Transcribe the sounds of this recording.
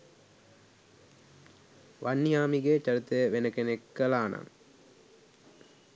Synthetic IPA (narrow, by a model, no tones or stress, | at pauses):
ʋɐnːijaːmiɡeːt͡ʃɐɾɯt̪ːɐjɐʋenɐkenekːɐlaːna̰ŋ